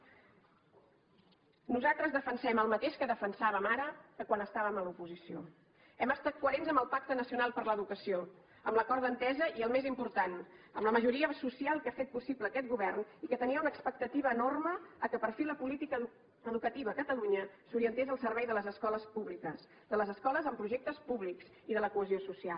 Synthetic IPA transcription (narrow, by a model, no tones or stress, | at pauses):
nuzat̪ɾəzðəfənsɛməlˠmət̪eʃkəðəfənsaβəmaɾəkəkwanəst̪aβəməlupuzisio | ɛməst̪at̪̚kuəɾenzəmbəlˠpak̚t̪ənəsiunalˠpəɾləðukəsio | əmləkɔɾðənt̪ɛzəʔiəlˠmezimpuɾt̪anəmləməʒuɾiəsusialˠkafet̪̚pusiβləːkɛt̪̚ɡuβɛrnikət̪əniəunəkspək̚t̪ət̪iβəːnorməːkəpəɾfiləpulit̪ikə | əðukət̪iβəːkət̪əluɲəsuɾiənt̪ezəlˠsəɾβɛjðələzəskɔləspuβlikəs | d̪ələzəskɔləzəmpɾuʒɛk̚t̪əspuβlikz | iðələkuəziosusialˠ